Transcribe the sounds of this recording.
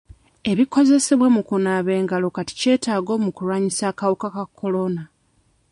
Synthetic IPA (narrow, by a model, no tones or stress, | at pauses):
e̞βiko̞ze̞seβwemukunaβe̞ːŋɡalo̞kati̥ce̞ːtaːɡo̞ːmukulwaːɲisaːkawukakakʰːo̞lo̞na